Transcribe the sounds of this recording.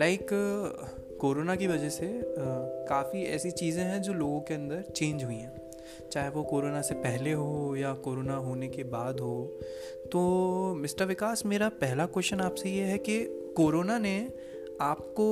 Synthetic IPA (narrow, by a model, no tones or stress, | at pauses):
laːɪkː | oːɾoːnakiʋɐd͡ʒɛse | kaːfiɛ̰ːsit͡ʃiːzẽɦɛ̃d͡ʒoːloːɡõkeɐ̃nd̪əɾt͡ʃẽːnd͡ʒɦuiɦɛ̃ː | t͡ʃaːɦeʋokoːɾoːnasepɛɦleɦojakoːɾoːnaɦoːnekebaːd̪ɦoː | t̪oːmɪsʈəɾʋɪkaːsmeːɾapɛɦlakwɛːʃə̃naːpsejeɦɛki | koːɾoːnane | aːp̚ko